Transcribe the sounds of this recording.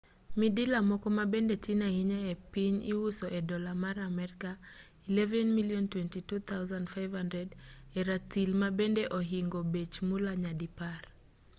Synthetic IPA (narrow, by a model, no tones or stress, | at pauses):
midilamɔkɔmabɛndɛtinahiɲaɛpiɲḭwusɔʔɛdɔlamaɾamɛɾika | ilɛvɛnmiliɔntwɛntitut̪ʰawzandfajvhandɾɛdɛɾatilmabɛndɛʔɔɦiŋɡɔbet͡ʃmulaɲadipar